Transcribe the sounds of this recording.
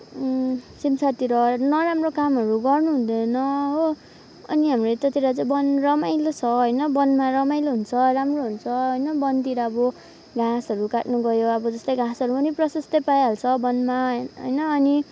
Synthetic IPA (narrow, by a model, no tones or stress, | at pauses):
simt͡sʰat̪iɾʌnʌɾamrokamɦʌɾuɡʌrnuɦũd̪ʌnʌɦo | ʌ̰niɦamret̪ʌt̪iɾat͡sabʌnrʌmajlot͡sʰʌɦʌjnʌbʌnmaɾʌmajloɦunt͡sʰʌramroɦunt͡sʰʌɦʌjnʌbʌnt̪iɾʌʌbʌ | ɡãsɦʌɾukaʈnuɡʌjoʌbʌd͡zʌst̪ʌjɡãsɦʌɾupʌniprʌsʌst̪ʌpajɦalt͡sʰʌbʌnmaɦʌ̰jnʌːni